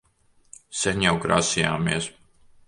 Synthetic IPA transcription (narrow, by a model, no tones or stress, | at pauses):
sɛnʲjawkɾa̰ːsija̰ːmiɛs